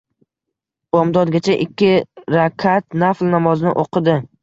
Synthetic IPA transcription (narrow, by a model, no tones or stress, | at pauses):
bɒmd̪ɒd̪ɡʲat͡ʃʰaʔɪkʲːɪɾakʲʰat̪naflnamɒznɪ̰ʔoqʰɨd̪ɪ